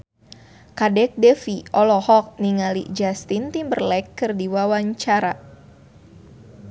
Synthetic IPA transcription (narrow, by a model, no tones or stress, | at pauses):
kadɛk̚dɛfiɔlɔhɔk̚niŋalḭd͡ʒast̪int̪imbərlɛkːɨrdiwawaɲt͡ʃaɾa